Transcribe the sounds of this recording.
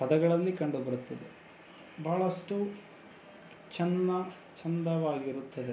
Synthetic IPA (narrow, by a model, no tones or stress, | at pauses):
pɐd̪ɐɡɐɭɐlːikɐɳɖubɐɽut̪ːɐd̪e | bʱaːɭɐsʈu | t͡ʃɐnɐ | t͡ʃɐnd̪ɐʋaːɡiɾut̪ːɐd̪e